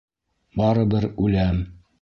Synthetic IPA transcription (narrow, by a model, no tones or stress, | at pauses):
bɑɾɤ̆bɤɾʉlæm